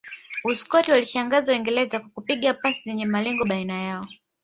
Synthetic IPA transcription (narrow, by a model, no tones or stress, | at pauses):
uskɔtiwaliʃaŋɡazawɛŋɡɛlɛzakwakupiɠapasizɛɲɛmalɛŋɡɔɓainajaɔ